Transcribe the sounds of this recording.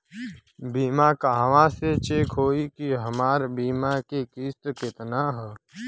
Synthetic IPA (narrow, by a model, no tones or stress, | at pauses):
biːmakaɦəʋãset͡ʃeːkɦoːikiɦəmaːɾbiːmakekɪst̪kɪt̪naɦɛː